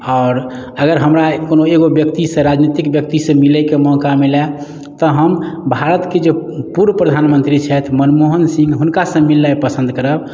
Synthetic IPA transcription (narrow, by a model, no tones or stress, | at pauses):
ɔːɾ | əɡəɾɦəmɾakonoeɡobjəkt̪isẽɾad͡ʒnit̪ikbjək̚t̪isẽmilɛkemɔkamilɛ | t̪ɔɦəmbʱaɾət̪ked͡ʒepuɾwəpɾəd̪ʱanmə̃nt̪ɾit͡ʃʰɛt̪mənmoɦənsĩŋɡɦunkasə̃milːɛpəsə̃nd̪ʱkəɾəb̚